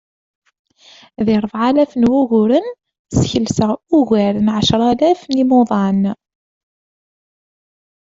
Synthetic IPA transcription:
ðɪɾˤəfʕalæfənwuʝʊɾən | sçəlsəʁuɣæɾənʕəʃɾˤɑlæfnimʊðˤɑn

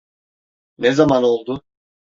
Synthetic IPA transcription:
nɛzamano̞lˠd̪ʊ

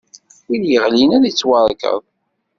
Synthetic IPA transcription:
iljəʁlinæðit͡sːwɑɾˤkə̰ðˤ

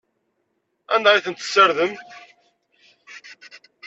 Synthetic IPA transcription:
ænd̪æjθənt̪ːə̥sːəɾðəmt̪

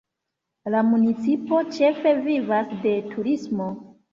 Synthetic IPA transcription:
lamunit͡sipo̞t͡ʃe̞fe̞vivasde̞tʰuɾismo̞

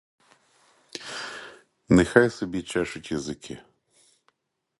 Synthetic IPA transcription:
nɛxajsɔbʲit͡ʃaʃʊtʲjɐzɪkʰɪ

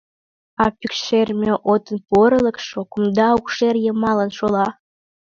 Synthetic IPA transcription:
ɑpykʃermʲeʔot̪ənpuəɾələ̆kʃokumd̪ɑukʃerjə̆mɑlənʃolɑ

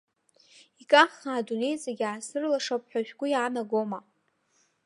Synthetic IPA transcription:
ikʼaχaːdune̞jt͡sʼaɡʲaːsɨrlaʂapʼħʷᶣaʒᶣɡʷʊjaːnaɡoma

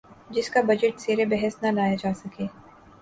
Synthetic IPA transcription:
d͡ʒɪskabɐd͡ʒɪʈseːɾebɛɦɛsnɐnaːjad͡ʒaːsɐkeː

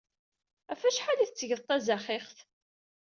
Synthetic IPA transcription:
æfæʃħaliθət͡sːəʝəðˤt̪ˤːæzæχeχθ

